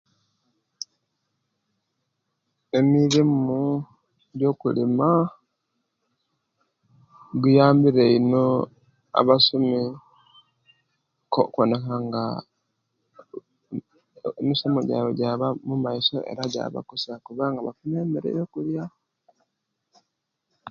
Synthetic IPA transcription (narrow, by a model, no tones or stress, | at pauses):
e̞miɾimu | ɟo̞ːkulima | ɡujaːmbiɾeino | a̰βasumi | kokonekaŋɡa | misomoɟa̰ːβoɟaβamumaiso̞̰ʔe̞̰ɾaɟa̰ːβa̰kusakuβaːŋɡaβafune̞ːmeɾḛjo̞ːkulja